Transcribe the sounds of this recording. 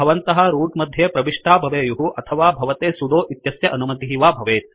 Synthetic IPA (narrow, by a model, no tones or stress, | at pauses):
ɐʋɐnt̪ɐɦɐ̆ɾuːʈmɐd̪ʱjeːpɾɐbiʂʈaːbʱɐʋeːjuɦuʔɐt̪ʰɐʋaːbʱɐʋɐt̪eːsud̪oːʔit̪jɐsjɐʔɐnumɐd̪iiʋaːbʱɐʋeːt̪